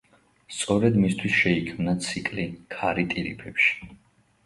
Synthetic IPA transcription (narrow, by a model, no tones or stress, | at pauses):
st̪sʼɔɾɛd̪mist̪ʰwisʃɛikʰmnat̪sʰikʼlikʰaɾit̪ʼiɾḭpʰɛpʃi̥